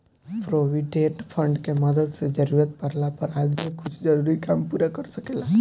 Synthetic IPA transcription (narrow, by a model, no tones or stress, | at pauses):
pɾoʋiɖeʈpʰə̃ɳɖkeməd̪əd̪sed͡ʒəɾuːɾət̪̚pəɾlapəɾaːd͡ʒmĩkʊt͡ʃʰd͡ʒəɾuɾikaːmpuːɾakəɾsəkela